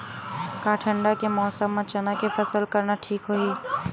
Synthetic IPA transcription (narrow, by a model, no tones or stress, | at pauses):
kaːʈʰə̃ɳɖakemɔːsəmːãt͡ʃɐnakefɐsəlkɐɾnaʈʰiːkɦoːiː